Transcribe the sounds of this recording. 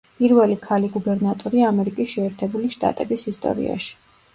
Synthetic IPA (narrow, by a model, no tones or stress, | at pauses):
pʼiɾvɛlikʰaliɡubɛɾnat̪ʼɔɾiamɛɾikʼisʃɛːɾt̪ʰɛbuliʃt̪ʼa̰t̪ʼɛbisist̪ʼɔ̰ɾḭa̰ʃi̥